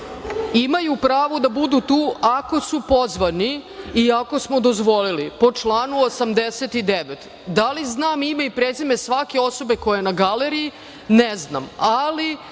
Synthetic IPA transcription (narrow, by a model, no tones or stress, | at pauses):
imajupɾaːʋod̪abud̪ut̪uːʔako̞supo̞zʋaniiako̞smod̪ozʋo̞lilipot͡ʂlˠaːnuosamd̪eset̪id̪eʋet̪ | d̪aliznaːmimaipɾezimesʋake̞o̞sobe̞ko̞jenaɡaleɾii | nezna̰mali